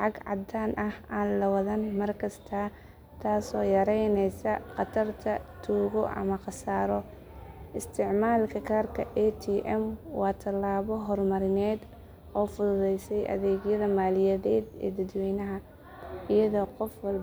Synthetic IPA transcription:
ħɑɡʕɑ̰d̪aːnʔɐhaːnlɐwɐðɐnmɐrkʰɐst̪ʰɐ | t̪ʰaːsɔːjɐɾɛjnɛjsɐqɑt̪ʰɐrt̪ʰɐt̪ʰuːɣɔʔɐ̰mɐqɑsaːɾɔ | ʔɪst̪ʰɪʕmaːlkʰɐkʰaːrkʰɐʔɛt̪ʰiːʔɛmwɑːt̪ʰɐlːaːβɔɦɔrmɐɾɪnɛːd̪ | ɔːfʊðʊðɛjsɛjʔɐ̰ðɛːɣjɐðɐmaːlɪjɐðɛːd̪ɛ̰ːd̪ɐd̪wɛjnɐɦɐ | ɪjɐðɔːqɔfwɐlb

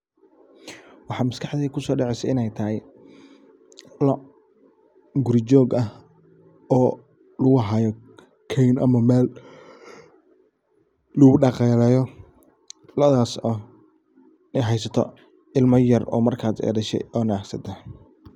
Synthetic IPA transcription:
wɑħɑːmɐskʰɑħd̪iːkʰʊsɔːɖɛʕɛjsɐɪnɛjt̪ʰɐɦɛj | lɔ | ɡʊɾɪt͡ʃɔːɡɐh | ɔː | lʊɣʊɦaːjɔ | kʰɛjnʔɐ̰mɐmɛːl | ʊɣʊɖɑqɛːlɛːjɔ | lɐðaːsɔː | nɦɛjsɐt̪ʰɔ̰ | ɪlmɐjɐrɔ̰ːmɐrkʰaːd̪ɛ̰ːdɐʃɛ̰jɔːnaːksɐd̪ɐ

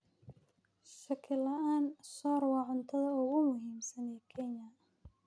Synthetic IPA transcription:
ʃɐkʰɪlɐʔaːnsɔːɾwɑːʕʊnt̪ʰɐðɐʊɣʊmʊɦiːmsɐnɛːkʰɛnjɐ

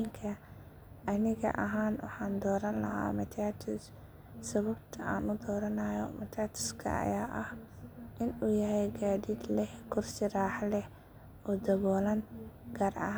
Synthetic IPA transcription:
ŋkʰɐ | ʔɐnɪɣɐ̰ʔɐ̰ɦaːnwɑ̰ħɑːnd̪ɔːɾɐnlɐ̰ɦa̰ːmɐt̪ʰaːt̪ʰʊs | sɐβɐbt̪ʰɐaːnʊd̪ɔːɾɐnɐjɔ̰mɐt̪ʰaːt̪ʰʊ̥skʰɐ̰ɐ̰jaːʔɐh | ʔɪnuːjɐɦɛjɡaːdid̪lɛhkʰʊrsɪɾaːħlɛh | ɔːd̪ɐβɔːlɐnɡ̥aːrʔɐ̰ɦ

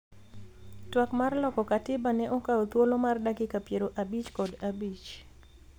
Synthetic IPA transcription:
twakmarlɔkɔkatɪbanɛʔɔkaot̪wolomardakɪkapjeɾoʔabit͡ʃkɔdabit͡ʃ

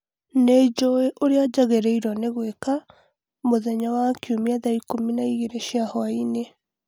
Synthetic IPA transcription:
ned͡ʒoeʔoɾead͡ʒaɣeɾɛiɾɔneɣweka | moðɛɲawakiomiaðaikominaiɣeɾeʃiahɔaine

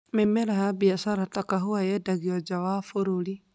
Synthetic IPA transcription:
memeɾahabiasaɾatakaɦuajɛdaɣiɔd͡ʒawafoɾuli

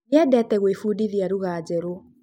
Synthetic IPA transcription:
ɛdɛtɛɣwefudiðiaɾuɣaːd͡ʑɛɾo

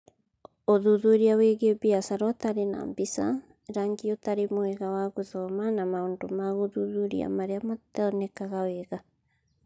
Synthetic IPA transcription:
oðuðuɾiaweɣeobiasaɾɔtaɾena̰mbisa̰ | ɾaŋɡiotaɾemoeɣawaɣuðɔmanamaondomaɣuðuðuɾḭa̰maɾeamataɔnekaɣaweɣa

